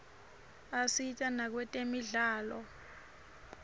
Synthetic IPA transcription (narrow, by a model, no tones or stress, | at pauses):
asitʼanak̬wɛtʼemiɮaːlɔ